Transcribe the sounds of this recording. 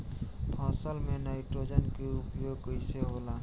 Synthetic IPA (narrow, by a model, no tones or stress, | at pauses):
pʰɔːsəlmẽnaːɪʈɾoːd͡ʒənkeʊpjoːɡkəɪseɦoːlaː